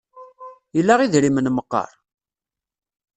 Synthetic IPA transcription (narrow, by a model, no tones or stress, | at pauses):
jəlːæʁiðɾimənməqːɑ̰ɾˤ